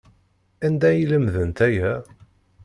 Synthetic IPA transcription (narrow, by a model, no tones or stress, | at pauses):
ænd̪æjələmðənt̪æjæ